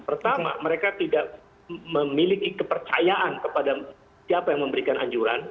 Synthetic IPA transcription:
pərt̪ama̰məɾekat̪idaʔ | məmilikikəpərt͡ʃa̰jaʔankəpada | siapajaŋməmbəɾikanʔa̰ɲd͡ʒuɾa̰n

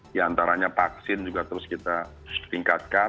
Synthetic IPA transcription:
diant̪aɾaɲapak̚sɪnd͡ʒuɡat̪əɾʊskit̪a | p̪iŋkat̪̚ka

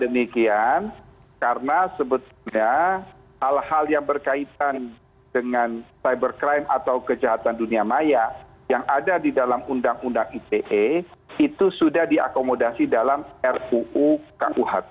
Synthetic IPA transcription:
dəmikian | karənasəbət̪ulɲa | halhaljaŋbərkait̪an | dəŋansajbərkɾajmat̪awkəd͡ʒaɦat̪anduniamaja | jaŋʔadadidalamundaŋundaŋit̪eʔeit̪usudahdia̰komodasidalamɛruuka̰ʔuɦat̪̚

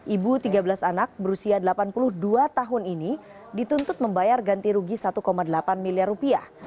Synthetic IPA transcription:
ʔibut̪iɡabəlasanak̚bəɾusiadəlapanpulʊhduat̪aɦʊnini | dit̪unt̪ʊt̪̚məmbajarɡant̪iɾuɡisat̪ukomadəlapanmiliarːupiah

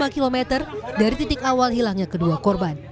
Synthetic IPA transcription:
makilomɛt̪ərdaɾit̪it̪ɪkawalɦilaŋɲakəduakɔrban

